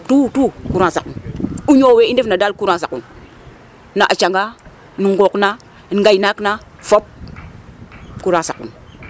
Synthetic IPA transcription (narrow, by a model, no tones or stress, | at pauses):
tutukuɾasakunuɲoweindefnadalkuɾasakun | naʔat͡ʃaŋɡa | niŋɡokna | nɡainakna | fop̚ | kuɾasakṵn